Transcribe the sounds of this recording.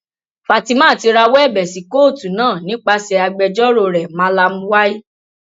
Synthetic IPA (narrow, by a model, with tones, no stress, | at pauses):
fa˨ti˧mãː˦˨ti˧ɾa˧wɔ˦ɛ˦˨bɛ˨si˨ko˦˨tu˨nãː˦˨nĩ˨˦k͡pa˧sɛ˧a˧ɡ͡bɛ˧d͡ʒɔ˦ɾo˧˨ɾɛ˨mã˨˦la˧mũ˦wa˦i˦